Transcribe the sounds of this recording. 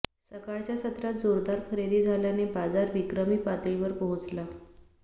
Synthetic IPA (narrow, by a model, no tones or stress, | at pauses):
səkaɭt͡ɕjasət̪ɾat̪̚d͡zoɾd̪aɾkʰəɾed̪iːd͡zʱaljanebad͡zaɾʋikɾəmiːpat̪ɾĩʋəɾpəɦut͡sla